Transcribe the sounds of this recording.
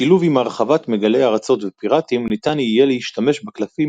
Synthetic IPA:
iluvimaʁχavat̪me̞ɡale̞jaʁat͡so̞tvepiʁat̪imunit̪anijelehiʃtame̞ʃbaklafi

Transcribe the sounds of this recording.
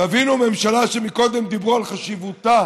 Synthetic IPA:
tavinume̞mʃalaʃemiko̞d̪e̞md̪ibʁualχaʃivut̪a

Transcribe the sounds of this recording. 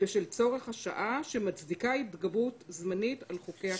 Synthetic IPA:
veʃelt͡so̞ʁe̞χhaʃa̰ʔaʃemat͡sdikaitɡabutzmanitalχokea

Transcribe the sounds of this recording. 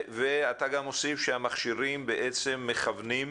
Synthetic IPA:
veataɡamo̞sifʃehamaχʃiʁimbeʔet͡se̞mːe̞χavnim

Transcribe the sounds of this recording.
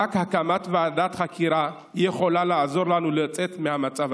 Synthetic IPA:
akhakamat̪vead̪at̪χakʰiɾa | jeχo̞laleazo̞ʁlanulet͡sʼe̞t̪mehamat͡sav

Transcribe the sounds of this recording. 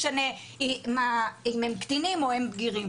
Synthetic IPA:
ʃane | imaimemkt̪inimohembɡiʁim

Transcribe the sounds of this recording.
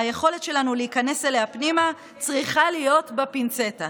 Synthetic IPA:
aje̞χo̞le̞tʃe̞lanuleikane̞seleapnima | t͡sʁiχalijo̞tbepint͡se̞ta

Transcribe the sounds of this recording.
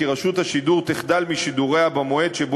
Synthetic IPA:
iʁaʃut̪haʃiduʁt̪iχd̪almiʃid̪uʁe̞abamoe̞d̪ʃeb

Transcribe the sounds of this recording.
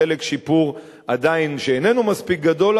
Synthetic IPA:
elekʃipuʁ | ad̪ainʃeene̞numaspik̚ɡado̞l

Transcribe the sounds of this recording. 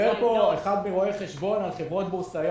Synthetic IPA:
eʁpo̞eχad̪meʁoejχe̞ʃbo̞nalχe̞vʁo̞t̪bosajo

